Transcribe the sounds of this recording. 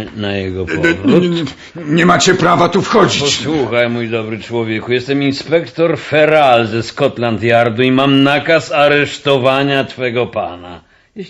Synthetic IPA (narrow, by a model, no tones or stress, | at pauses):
najɛɡɔpvɾu | ɲɛmat͡ɕɛpɾavat̪ufxɔd͡ʑipɔt͡ɕswuxajmujd̪ɔbɾɘt͡ʂwɔvʲjɛkujɛst̪ɛminspɛkt̪ɔɾfɛɾalzɛskɔt̪lant̪jaɾd̪uimamnakasaɾɛʂt̪ɔvaɲat̪fɛɡɔpana